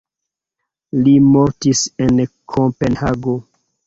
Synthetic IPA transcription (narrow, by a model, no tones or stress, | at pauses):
limo̞ɾtisenkʰopenhaɡo